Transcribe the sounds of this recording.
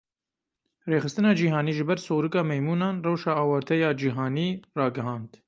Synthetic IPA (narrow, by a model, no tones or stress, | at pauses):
reːxɨst̪ɨnɑːd͡ʒiːɦɑːniːʒɨbɛɾsoːɾɨkɑːmɛjmuːnɑːnrɛwʃɑːɑːwɑːɾt̪ʰɛjɑːd͡ʒiːɦɑːniːrɑːɡɨɦɑ̃ːnd̪